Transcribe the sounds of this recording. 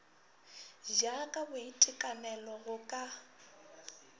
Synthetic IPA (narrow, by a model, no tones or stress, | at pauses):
ʒakʼabʊitʼɪkʼanɛlɔɣʊkʼa